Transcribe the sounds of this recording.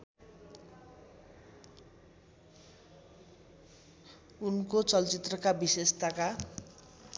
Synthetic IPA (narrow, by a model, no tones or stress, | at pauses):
unkot͡sʌlt͡sit̪rʌkabisest̪aka